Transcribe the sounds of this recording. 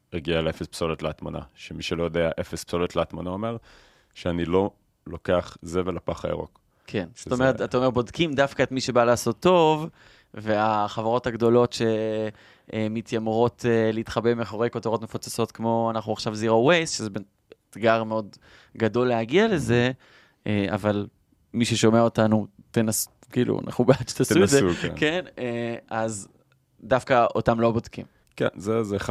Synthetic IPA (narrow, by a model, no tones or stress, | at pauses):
eɡialeefespsolet̪leat̪mana̰ʃemiʃelo̞jodeaʔefespso̞let̪leat̪manaome̞ʁ | ʃeanilo̞ | lo̞keaχzevelapaχa̰ḛʁo̞̰k | kʰensotomeʁetat̪aomeʁbo̞dkimdafkaetmiʃebalaːso̞tːo̞v | ve̞aχavaʁo̞thaɡdo̞lo̞tʃe̞ | mitʰjamʁo̞tʰeleitχabemeχoʁejkotoʁo̞tme̞fot͡sḁso̞tkmo̞anaχnuaχʃavziʁowejsʃezebe | tɡaʁmeo̞d | ɡado̞lːeaɡiale̞ze̞ | ea̰val | miʃeʃo̞meaotanutenas | kiːlṵa̰nʔa̰χnubat͡ʃtasuezḛkeneaz | dafkaotamlo̞bodkḭm | kḛnzeze